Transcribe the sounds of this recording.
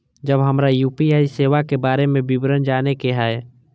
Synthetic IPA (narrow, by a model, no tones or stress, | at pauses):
d͡ʒəbɦəmɾajuːpiaːiseːʋakebaːɾemẽbɪbɾənd͡ʒaːnekeɦae